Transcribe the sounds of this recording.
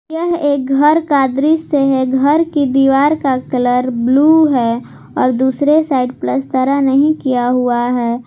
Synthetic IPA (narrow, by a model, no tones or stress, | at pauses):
jəɦeːk̚ɡʱəɾkaːd̪ɾieɦeɡɡʱəɾkid̪iːʋaːɾkakələɾbluɦɛ | ɔːɾd̪uːsɾesaːɪɖpləst̪əɾanəɦĩkijaɦuaɦɛː